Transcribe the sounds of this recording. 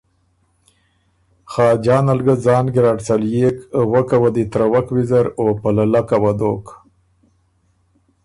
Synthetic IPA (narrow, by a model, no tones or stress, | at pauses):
xɑːd͡ʒɑːnalɡazɑːnɡɪɾaɖsaljekwəkawad̪it̪ɾawakwizaɾopalalakawad̪ok